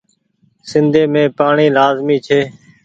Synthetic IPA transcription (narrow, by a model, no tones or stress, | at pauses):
sɪnd̪ʱeːmẽːpaːɳiːlaːzmiːt͡ʃʰeː